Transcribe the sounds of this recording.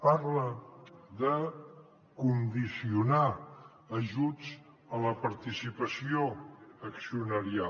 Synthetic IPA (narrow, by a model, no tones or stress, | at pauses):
paɾləðə | kund̪isiuna | əʒud͡z | ələpəɾt̪isipəsioəksiunəɾia